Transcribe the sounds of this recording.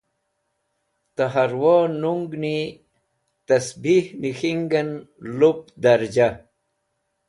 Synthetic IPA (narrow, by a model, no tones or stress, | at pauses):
t̪aɦaɾwoːnuŋɡni | t̪ɐsbihnixiŋɡɐnlup̚d̪ɐɾd͡ʑa